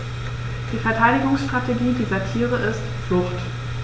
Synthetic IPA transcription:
d̥iːfɛɐtʰaɪɾɪɡʊŋsʃtʁ̥atʰeɡiːdiːzɐtʰiːʁ̞əʔɪstflʊχt

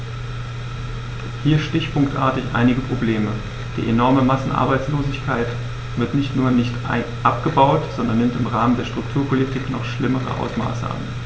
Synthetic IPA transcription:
hiːɐʃtɪçpʰʊŋktʔa̰ɐtɪçʔa̰ɪnɪɡəpʁ̥obleːmə | d̥ḭːʔenɔɐməmasn̩ʔa̰ɐbaɪt͡sloːzɪçkʰaɪt | v̥ɪɐtnɪçtnuːɐnɪçtaʔapɡ̥əbaʊtz̥ɔndɐnːɪmtɪmʁaːməndeːɐʃtʁ̥ʊktʰuːɐpʰolitʰɪknɔχʃlɪməʁə̰ʔa̰ʊsma̰ːsa̰n

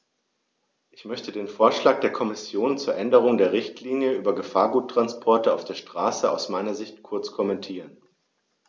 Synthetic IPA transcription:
ʔɪçmœçtədeːnfoːɐʃlaːk̚d̥eːɐkʰɔmɪsjoːnt͡suːɐʔɛndəʁ̞ʊŋdeːɐʁɪçtʰliːnjəʔyːbɐɡəfaːɐɡuːtʁ̥anspʰɔɐtəa̰ʊfd̥eːɐʃtʁ̥aːsəaʊsmaɪnɐzɪçtkʰʊɐt͡skʰɔmɛntʰiːʁ̞ən

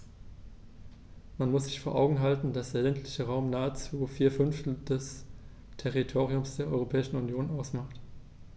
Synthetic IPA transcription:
manmʊsz̥ɪçfoːɐʔa̰ʊɡŋ̩ɦaltn̩d̥asd̥eːɐlɛntʰlɪçəʁaʊmnaːət͡suːfiːɐfʏnftl̩d̥ɛs | tʰɛʁitʰoːʁ̞iʊmsd̥eːɐʔɔʏʁopʰɛːɪʃn̩unjoːnʔaʊsmaχt

